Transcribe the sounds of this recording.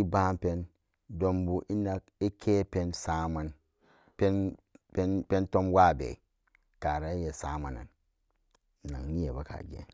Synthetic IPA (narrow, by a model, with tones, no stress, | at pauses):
i˦ba˦mpe˦n | do˨mbu˨ʔi˦na˨ki˦kʰe˦pe˦nsa˦ma˨n | pe˦n | pe˦pe˦nto˦mwa˦˨bḛ˨i˨ | ka˨ɾa˨i˦je˨sa˦ma˨na̰˨n˨ | na̰˨ŋni˦je˨ba˦ka̰˨ɡḛ˨˦